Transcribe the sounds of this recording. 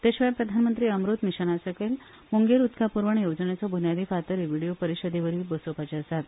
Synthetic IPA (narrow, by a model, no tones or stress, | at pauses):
t̪eɕʋəjpɾəd̪ʱanmənt̪ɾiːəmɾot̪miɕənasəkel | muŋɡeɾut̪kʰapuɾʋəɳjod͡zənjet͡sɔbʱunjad̪iːfat̪əɾiʋiɽijopəɾiɕəd̪eʋəɾiːbəsopat͡ɕiəsat̪